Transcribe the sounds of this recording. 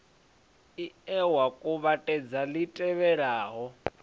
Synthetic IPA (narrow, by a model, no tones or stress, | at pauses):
iɛwakʼuβatʼɛd͡zalitʼɛβɛɺaːɦɔ